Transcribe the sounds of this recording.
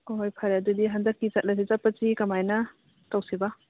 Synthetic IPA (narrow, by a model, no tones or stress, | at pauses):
ojpʰɐɾeɐdudiɦɐndɐkːizɐt̚lɐs̬izɐpːɐsikɐmajnɐ | tɐwsibɐ